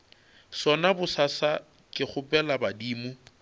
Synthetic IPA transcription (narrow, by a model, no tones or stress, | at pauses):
sɔnabʊsasa | kʼɪχʊpʼɛlabadiːmʊ